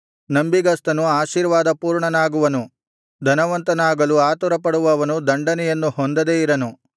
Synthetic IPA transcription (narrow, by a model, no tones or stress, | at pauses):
nɐmbiɡɐst̪ɐnuaːʃiːɾʋaːd̪ɐpuːɾɳɐnaːɡuʋɐnu | d̪ʱɐnɐʋɐnt̪ɐnaːɡɐluaːt̪uɾɐpɐɽuʋɐʋɐnud̪ɐɳɖɐnɛjɐnːuhond̪ɐd̪eːiɾɐnu